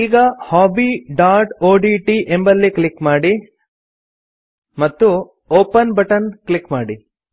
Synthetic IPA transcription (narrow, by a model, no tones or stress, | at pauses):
iːɡɐhaːbiːɖaːʈoːɖiːʈiʔembɐlːikɭikmaːɽi | mɐt̪ːu | oːpɐnbɐʈɐnklikmaːɽi